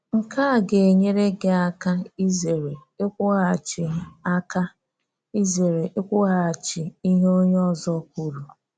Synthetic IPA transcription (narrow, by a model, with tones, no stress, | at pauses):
ŋ̩˨ka˦˨ɡe˨e˨ɲe˦ɾe˦ɡe˨˦a˦ka˦i˦ze˨ɾe˨e˦kʷʊ˦ɣa˨t͡ʃɪ˨˦a˦ka˦ | i˦ze˨ɾe˨ʔe˦kʷʊ˦ɣa˨t͡ʃɪ˨i˦ɦe˦o˦ɲe˦ɔ˦zɔ˦kʷu˦ɾu˨